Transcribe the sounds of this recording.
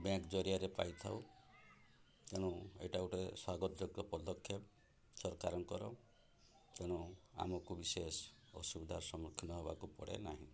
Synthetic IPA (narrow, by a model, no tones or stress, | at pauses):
bẽkd͡ʒɔɾiaɾepa̰jt̪ʰaw | t̪eɽ̃uḛʈawʈeeswaɡɔt̪ɔd͡ʒɔɡɔpɔd̪ɔkʰːjep | sɔɾkaɾɔŋkɔɾɔ | t̪eɽ̃ɔa̰mɔkubisesɔ̰subid̪ʱaɾsɔmɾɔkʰːinɔɦebakupɔ̰ɽḛnaɦĩ